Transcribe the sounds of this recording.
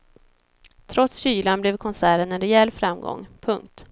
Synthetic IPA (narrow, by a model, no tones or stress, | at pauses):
t̪ʰɾɔt̪sɕyːlanblɛvkʰɔnsæːɾənɛnɾɛɛlːfɾamɡɔ̰ŋpʰɵŋk̚t̪